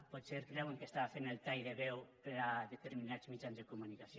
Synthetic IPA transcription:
pɔt̪seɾkɾɛweŋkest̪aβafenelˠt̪ajðeβɛwpeɾaðet̪eɾminazmid͡ʒanzðekumunikasj

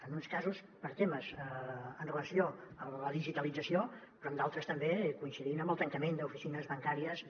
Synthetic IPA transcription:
ənunskazus | pəɾt̪eməzəənrələsioələðiʒit̪əlid͡zəsio | pɾɔəmd̪alˠt̪ɾəst̪əmbekuinsiðinəmbəlˠt̪əŋkəmend̪əufisinəzβəŋkaɾiəs

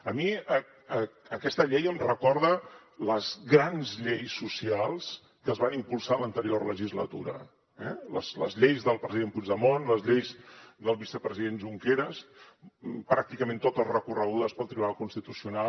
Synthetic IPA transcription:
əmiə | əəkɛst̪əʎejəmrəkɔɾðə | ləzɣɾanzʎejsːusialˠs | kəzβanimpulˠsalənt̪əɾiorləʒizlə̰t̪uɾə̰ | ɛ̰lə̰slə̰zʎejzðəlˠpɾəziðempud͡ʒðəmonləzʎejzðəlˠβisəpɾəziðenʒuŋkeɾəs | pɾak̚t̪ikəmẽnt̪ot̪əzrəkurəɣ̞uðəspəlˠt̪ɾiβunalˠkunst̪it̪usiuna

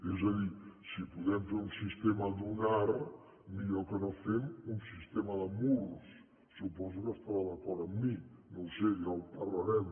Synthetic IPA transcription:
ezəðisipuðɛmfeɾunsist̪eməd̪unaɾ | miʎokənofemunsist̪eməðəmuɾusː | upɔzukəst̪aβaðəkɔɾt̪əmːinowseʒawpəɾləɾɛm

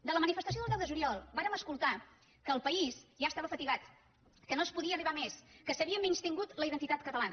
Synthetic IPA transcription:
d̪ələmənifəst̪əsioðlˠdɛwðəʒuliɔlˠbaɾəməskulˠt̪a | kəːlˠpəisʒaəst̪aβəfət̪iɣat̪ | kənoəspuðiəːriβameskəsəβiəminst̪iŋɡut̪ləiðənt̪it̪at̪̚kət̪əlanə

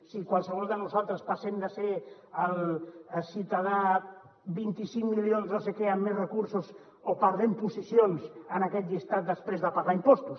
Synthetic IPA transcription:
sikwalˠsəɣolˠd̪ənusalˠt̪ɾəspasemd̪əse | alsit̪aða | bint̪isiŋmiljonznosekeamːezrekuɾsos | opaɾðempusisjonsənakɛt̪ʎist̪at̪̚d̪əspɾezðəpaɣaimpost̪us

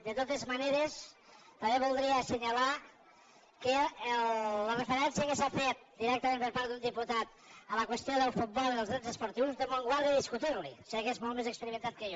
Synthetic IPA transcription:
d̪ət̪ot̪ezmaneɾes | t̪ambeβulˠd̪ɾiəsəɲala | kə | ərəfəɾɛnsjəkesafet̪̚d̪iɾɛkt̪əmẽmpəɾpaɾd̪und̪iput̪at̪̚ | ələkwəst̪joðəlˠfut̪̚bɔlˠiəlzɣɾenzəspuɾt̪iwzðəmoŋɡwaɾðjaðiskut̪iɾlḭsakezmɔlˠt̪mezəkspəɾimẽnt̪at̪̚kəjo

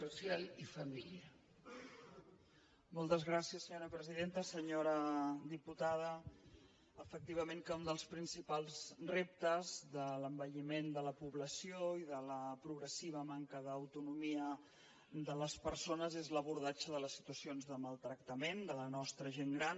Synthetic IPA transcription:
susjalifəmiliə | mɔlˠt̪əzɣɾasiəsːəɲoɾəpɾəziðent̪əsəɲoɾəd̪iput̪aðə | əfək̚t̪iβ̞əmẽŋkəund̪əlˠspɾinsipalˠzrep̚t̪əzðələmbəʎimend̪ələpuβləsioiðələpɾuɣɾəsiβ̞əmaŋkəðəːwt̪unumiə | d̪ələspəɾsonəzezləβuɾðat͡ʃəðələsːi̥t̪uəsionzðəməlˠt̪ɾək̚t̪əmend̪ələnɔst̪ɾəʒeŋɡɾan

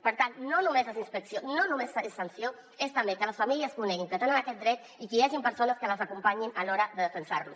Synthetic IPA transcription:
pəɾt̪annonumeses̬inspeksjononumesesansjo | est̪ambekələsfamiliaskuneɣiŋkət̪enənakɛt̪d̪ɾɛt̪ | ikieʒimpəɾsonaskəlazakumpaɲinaloɾaðəðefensa̰ɾlṵs

